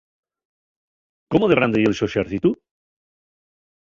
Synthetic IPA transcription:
komoðeβɾand̪ejelʃoʃeɾθit̪u

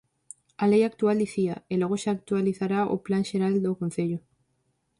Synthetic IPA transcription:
alejak̚t̪uald̪iθiaeloɣ̞oʃaːk̚t̪ualiθaɾao̰planʃeɾald̪okõnθeʎo

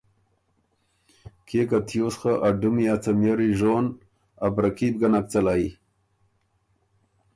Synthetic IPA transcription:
kʰekat̪ʰjosχaʔaɖumiat͡samjaɾiʒon | abɾakib̚ɡanak̚t͡salai

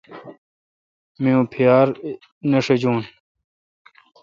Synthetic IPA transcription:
mijũpʰijaːɾ | neʂed͡ʑuːn

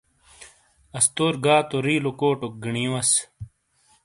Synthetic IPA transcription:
ɐst̪oːɾɡaːt̪oɾiːlokoːʈok̚ɡiɳĩːwɐs

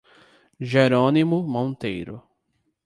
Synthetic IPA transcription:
ʒeɾõnimʊmõnt̪ejɾʊ̰

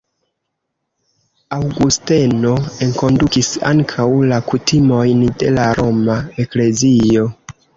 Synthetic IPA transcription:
awɡuste̞no̞e̞ŋko̞ndukisa̰ŋkʰawlakutimo̞jnde̞laɾo̞mae̞kle̞zio̞

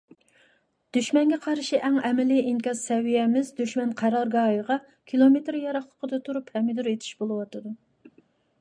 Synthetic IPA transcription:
d̪̥yʃmɛnɡʲɛqʰɑɾʃiʔɛŋɛmɪliiŋkʲɑzsɛwijɛmɪzd̪yʃmɛnqʰæɾɑɾɡɑːjəʁɑ | kʲʰilˠomet̪ɾjɑɾɑχlˠəqəd̪ɑt̪ʰuɾuphɛmːɪd̪yɾet̪ʰi̥ʃbolˠɨwɑt̪ɨd̪u

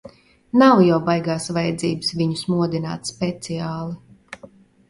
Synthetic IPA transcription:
nawjawbajɡaːsvajɛd̪ziːbɨ̥svʲiɲusmuɔd̪ina̰ːt̪spɛt̪siaːlˠi

